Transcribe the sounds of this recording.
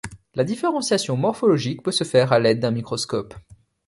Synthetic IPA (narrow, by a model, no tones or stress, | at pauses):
lad̪ifeʁɑ̃sjasjɔ̃mɔʁfɔlɔʒik̚pøsəfɛʁalɛd̪̚ːɛ̃mikχɔskɔp